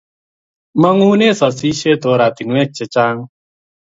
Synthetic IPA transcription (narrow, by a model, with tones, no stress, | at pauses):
ma˦ŋuː˦ne˦˨sɔ˨si˦ʃe˦t̪o˨˦ɾa˨t̪i˨ŋwɛ˦t͡ʃːe˧t͡ʃa˦ŋ